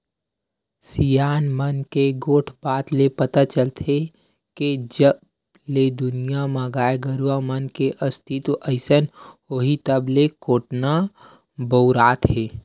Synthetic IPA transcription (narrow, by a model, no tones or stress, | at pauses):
sijaːnmənkeɡoːʈʰbaːt̪lepət̪at͡ʃəlt̪ʰe | ked͡ʒəb | led̪ʊnijamãɡaːeɡəɾwamənkeʔəst̪ʰɪt̪ʔəɪsənoːɦit̪əblekoːʈna | bəɾaːt̪ɦeː